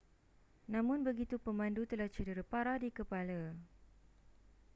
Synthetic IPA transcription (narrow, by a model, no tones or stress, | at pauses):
nãmʊ̃nbəɡit̪upəmãndut̪əlaht͡ʃədiɾəpaɾadikəpala